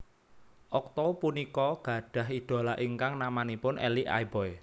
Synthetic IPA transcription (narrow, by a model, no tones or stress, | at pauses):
ʔɔk̚t̪ɔpunikɔɡ̥ä̤ɖ̥ä̤ɦid̪̥o̤laʔiŋkaŋnamanipʊnʔɛ̰liʔa̰jbɔj